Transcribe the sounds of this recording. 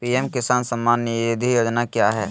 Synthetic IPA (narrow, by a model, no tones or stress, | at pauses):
piemkɪsaːnsɐmːaːnːəeːd̪ʱijoːd͡ʒnakjaːɦɛ̰ː